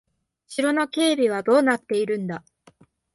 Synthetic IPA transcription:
ɕiɾo̞no̞ke̞ːbʲiβ̞ad̪o̞ːnat̪ːe̞iɾɯ̟̃nd̪a

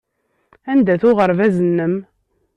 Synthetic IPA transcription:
ænd̪æθʊʁəɾvæzənːəm

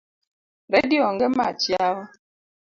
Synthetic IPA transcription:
ɾɛdiɔŋɡɛmat͡ʃjawa

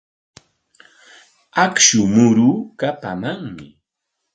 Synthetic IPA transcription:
akʃʊmʊɾuːkapa̰maŋmɪ̰

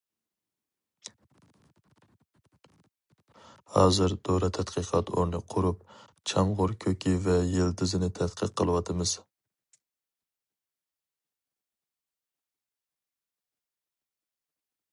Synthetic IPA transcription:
hɑːzɨɾd̪̥oɾɑt̪ʰɛt̪qʰəqʰɑt̪ʰo̰ɾnɨqʰʊɾup̚ | t͡ʃʰɑmʁʊɾkʲʰøkʲʰivɛjeld̪ɪzɪnɪt̪ʰɛt̪qʰəqʰːəlˠɨwɑt̪ʰɨmɨz̥

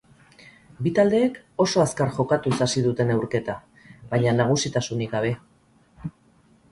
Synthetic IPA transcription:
bit̪ald̪e̞ːk | o̞so̞askaɾʝo̞kat̪usasiðut̪e̞ne̞wɾke̞t̪a | βaɲanaɣ̞usit̪asunikɡaβe̞

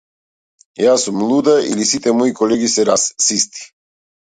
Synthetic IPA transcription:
jasumlˠud̪aʔḭlisit̪ɛmɔikɔlɛɡisɛɾasːist̪ʰi̥

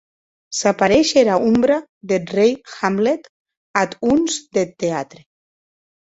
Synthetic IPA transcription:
sapaɾeʃeɾaumbɾaðelrejxamlet̪ | at̪unzd̪et̪ːeat̪ɾe

